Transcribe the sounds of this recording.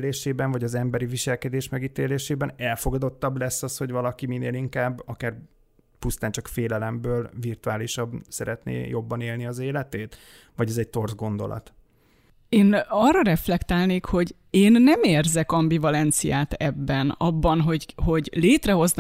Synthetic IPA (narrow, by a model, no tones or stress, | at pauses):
leːʃeːbɛɱvɒɟɒzɛmbɛɾiviʃɛlkɛd̪eːʃmɛɡiːt̪eːleːʃeːbɛnɛlfo̞ɡɒd̪o̞t̪ːɒblɛsːɒsho̞ɟvɒlɒkimineːliŋkaːbːɒkaːr | pust̪aːnt͡ʃɒkfeːlɛlɛmbøːlvirt̪uaːliʃɒbsɛɾɛt̪nḛːjobːɒneːlniɒzeːlɛt̪eːt̪ | vɒɟɛzɛɟ̚t̪o̞rzɡo̞nd̪o̞̰lɒ̰t̪ | eːnɒrːɒɾɛflɛkt̪aːlneːkho̞ɟ | eːnːɛmeːrzɛkɒmbivɒlɛnt̪sijaːt̪ɛbːɛnɒbːɒnɦo̞ɟho̞ɟleːt̪rɛɦo̞zn